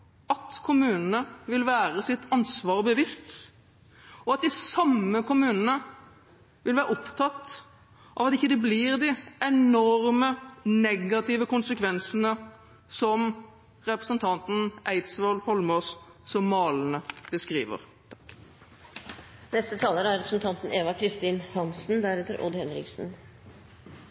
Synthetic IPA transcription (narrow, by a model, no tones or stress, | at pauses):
ɑt̪kʰʊmʉːnənəʋɪlʋæːɾəsɪt̪ːɑnsʋɑːʁbəʋɪst̪ | ɔɑt̪̚d̪ɪsɑmːəkʊmʉːnənə | ʋɪlʋæːɾəɔpt̪ʰɑt̪ | ʔɑ̰ʋɑt̪ɪçːəd̪ɛbliʁd̪ɪɛnɔɾmənɛɡɑt̪ɪːʋəkʊnsəkʰʋɛnsənə | sɔm | ʁɛpɾəsənt̪ʰɑnt̪n̩ʔæɪt̪sʋɔlhɔlmɔs | sɔmːɑːlnəb̥əskʁḭːʋə̰ɾ | t̪ʰ | nɛst̪ət̪ʰɑːləɾəæɾɛpɾəsn̩t̪ʰɑnt̪n̩eːʋɑkʰɾɪst̪iːnhɑnsn̩d̪æɾʉːt̪əɾʔɔ̰d̪hɛnɾɪ̰ɡsn̩